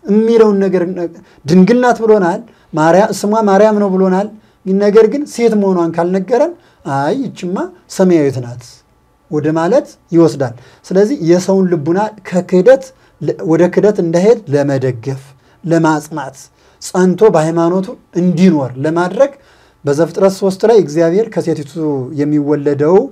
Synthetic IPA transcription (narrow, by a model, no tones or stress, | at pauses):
ɨmːiləwnːəɡəɾ | d̪ɨŋɡɨlnat̪bɨlo̞nal | maaɨsɨmwamaɾjamnəwbɨlo̞nal | nəɡəɾɡɨnse̞t̪məho̞nwankʰalnəɡːəɾən | ajɪt͡ʃʼːɪmːasəməjawɛt̪nat̪ | wɔd̪əmalət̪jɪwɔsd̪al | sɨləzːihjɛsəwnlɨbːunalkʰəkʰɨd̪ət̪ | wɔd̪əkʰɨd̪ət̪ɨnd̪aɦe̞d̪ləməd̪əɡːəf | ləmasʼmat̪ | sʼənt̪ʰo̞bəhajmano̞t̪ʰuɨnd̪ino̞ɾləmad̪ɾəɡ | bəzəfɨt̪ʼɾət̪sost̪ʼlajɨɡzijaβhe̞ɾkʰəse̞t̪t̪jɛmːiwɔlːəd̪əw